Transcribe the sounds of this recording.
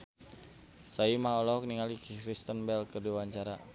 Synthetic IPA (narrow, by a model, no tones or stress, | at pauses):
saimaɔlɔɦɔk̚niŋalikkɾist̪ənbɛlkərdiwaɲt͡ʃaɾa